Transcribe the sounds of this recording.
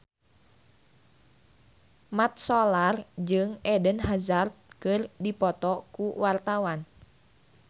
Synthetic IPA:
mat̪̚sɔlard͡ʒɨŋɛdənhazart̪̚kɨrdipɔt̪ɔkuwart̪awan

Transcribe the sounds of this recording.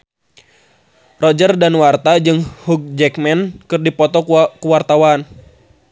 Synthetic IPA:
rɔd͡ʒərdanwart̪ad͡ʒɨŋhuk̚d͡ʒɛkmɛnkɨrdipɔt̪ɔkuwart̪awan

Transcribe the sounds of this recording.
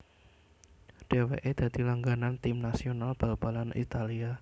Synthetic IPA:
ɖ̥ewḛʔed̪̥ä̤d̪̥i̤laŋɡanant̪ɪmnasionalb̥a̤b̥a̤lanʔḭt̪alia

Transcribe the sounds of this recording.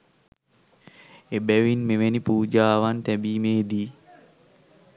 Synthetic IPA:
ebɛʋinmeʋenipuːd͡ʒaːʋant̪ɛbiːmeːd̪iː

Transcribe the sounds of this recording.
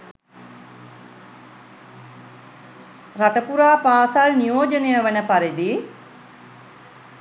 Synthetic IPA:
raʈəpuɾaːpaːsalnijoːd͡ʒənejəʋənəpaɾid̪i

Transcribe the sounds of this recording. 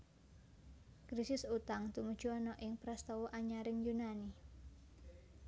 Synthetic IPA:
kɾisɪsut̪aŋt̪umud̥ʒ̥uɔnɔʔɪŋpɾɛst̪ɔwuʔaɲaɾɪŋjunani

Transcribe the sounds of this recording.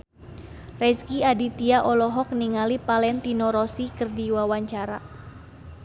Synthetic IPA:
rɛskiadit̪iaʔɔlɔɦɔk̚niŋalipalɛnt̪inɔɾɔsikərdiwawaɲt͡ʃaɾa

